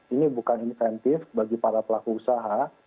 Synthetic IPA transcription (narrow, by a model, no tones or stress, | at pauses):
inibukaninfɛnt̪ɪfbaɡipaɾapəlakuusaɦa